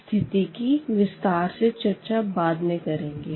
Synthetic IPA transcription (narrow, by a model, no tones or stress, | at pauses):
t̪ʰɪt̪ikiʋɪst̪aːɾset͡ʃɐɾt͡ʃabaːd̪mẽkɐɾẽːŋɡe